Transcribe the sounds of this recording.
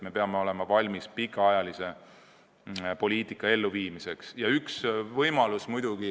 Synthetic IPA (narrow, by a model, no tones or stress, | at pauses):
me̞peɑme̞o̞le̞mɑvɑlʲmispikːˑɑɑjɑlise̞ | po̞lʲiːt̪ikːˑɑe̞lːuviːmise̞ksjɑyksvɤjmɑlusmujd̪̥uɡ̥i